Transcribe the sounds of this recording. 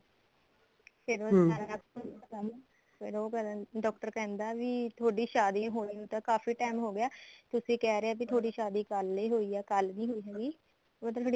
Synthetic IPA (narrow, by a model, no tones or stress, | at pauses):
pʰɪɾoːəəkʊnaːkəm | pʰɪɾoːkɖɔːk̚ʈəɾkɛ̃ːnd̪aːʋiːt̪ʰoːɖiːʃaːd̪iːɦoːniːũːt̪ãːkaːfiːʈaːɪmɦoːɡɪjaːt̪ʊsĩːkɛːɾeaːbit̪ʰoaːɖiːʃaːd̪iːkəliːɦoːiːɛːkəlnĩːɦoːiːɦɛːɡiː | mət̪ət̪ʰːɽi